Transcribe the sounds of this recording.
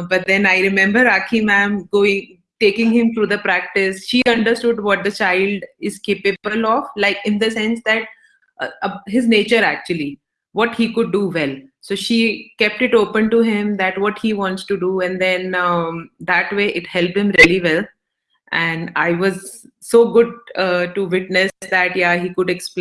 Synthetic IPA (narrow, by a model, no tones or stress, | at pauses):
bʌʈ̚d̪ɛ̃naɪɾɪmɛ̃mbəɾakʰimæ̃mɡoːɪ̃ŋ | ʈeːkɪ̃ŋhɪ̃mt̪ʰɾuːd̪əpɾæk̚ʈɪsʃiːʌ̃ɳɖəɾsʈʊɖʋɔʈ̚d̪ət͡ʃaɪlɖɪz̥kepebəlɔːʋlaɪkɪ̃nd̪əsɛ̃nsd̪æʈ̚ | əɦɪzneːt͡ʃəɾæk̚t͡ʃuli | ʋɔʈhiːkʊɖːuʋɛlsoːʃiːkɛp̚ʈɪʈoːpə̃nʈuɦɪ̃md̪æʈʋɔʈhiʋɔ̃nʈsʈuɖuɛ̃nd̪ɛ̃n | d̪æʈʋeːʔɪʈhɛlp̚ʈhɪ̃mɾiəliʋɛl | ʔɛ̃ɳaɪʋɔz | soːɡʊɖ̚ʈuʋɪʈnɪsd̪æʈjaɦiːkʊɖeksp